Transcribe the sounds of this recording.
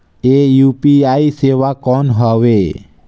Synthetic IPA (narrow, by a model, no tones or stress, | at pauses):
ejuːpiaiseʋakɔnɦɔʋeː